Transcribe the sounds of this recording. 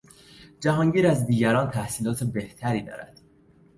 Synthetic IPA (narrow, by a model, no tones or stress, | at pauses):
d͡ʒæɦɒːŋɟiːɾæzd̪iːɟæɾɒːnt̪ʰæhsiːlɒːt̪ʰebe̞ht̪ʰæɾiːd̪ɒ̰ːɾæ̰d̪̥